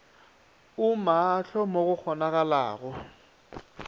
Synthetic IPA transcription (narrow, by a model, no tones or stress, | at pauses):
ʊmaːɬɔmoɣʊk͡xʰɔnaɣala̰ːɣɔ